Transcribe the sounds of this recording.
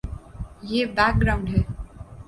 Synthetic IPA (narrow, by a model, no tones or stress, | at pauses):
jeːbaːk̚ɡɾaːʊ̃ɳɖɦɛː